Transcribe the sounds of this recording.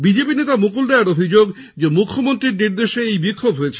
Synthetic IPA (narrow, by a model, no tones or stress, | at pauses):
bid͡ʑepinet̪amukuld̪ɛaɾobʱid͡ʑoɡ | d͡ʑemukʰːomont̪ɾiɾniɾd̪eʃeejbikʰːobɦojet͡ɕʰe